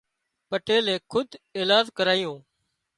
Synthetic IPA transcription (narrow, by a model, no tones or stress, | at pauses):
pəʈeːlẽːkʰʊd̪ʱeːlaːd͡ʒkəɾaːɪjõː